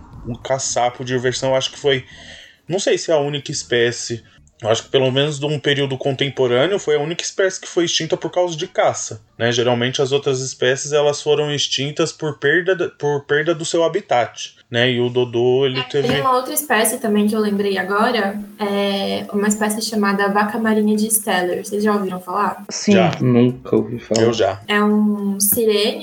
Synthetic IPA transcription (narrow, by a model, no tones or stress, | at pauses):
ũkasapʊd͡ʒɪiveɾsɐ̃w̃ewaʃʊ̥kɪ̥fojnɐ̃w̃sejsɪɛɐũnikɐispɛsɪ | ewaʃʊ̥kɪ̥pelomẽnʊzd̪ũpeɾiwd̪ʊkõnt̪ẽmpoɾɐ̃nɪʊfojɐũnikɐi̥spɛsɪ̥kɪ̥fojɪst͡ʃĩnt̪ɐpoɾkawzɐd͡ʒɪkasɐnɛʒeɾawmẽnt͡ʃɪɐzowt̪ɾɐzɪspɛsɪzɛlɐsfoɾɐ̃w̃ɪst͡ʃĩnt̪ɐspoɾpeɾd̪ɐɐpoɾpeɾd̪ɐd̪ʊsewabit̪at͡ʃɪ̥ | nɛɪʊd̪od̪oelɪt̪evẽj̃umɐowt̪ɾɐispɛsɪt̪ɐ̃mbẽj̃k̬ɪewlẽmbɾejaɡɔɾɐɛũmɐispɛsɪɪʃamad̪ɐvakɐmaɾĩɲɐd͡ʒɪst̪ɛleɾsejzʒaoviɾɐ̃w̃falaɾsiʒ̃anũkɐo̰vifalewʒa̰ɛũsiɾẽnʊ